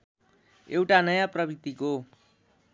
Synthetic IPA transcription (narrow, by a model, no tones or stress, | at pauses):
ewʈanʌjaprʌbit̪iko